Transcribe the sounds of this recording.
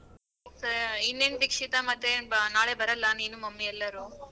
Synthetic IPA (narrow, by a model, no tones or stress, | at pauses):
sinːenʋikʂit̪ɐmɐt̪ːenaːɭebɐɾɐlːɐniːnumɐmːiɛlːɐɾu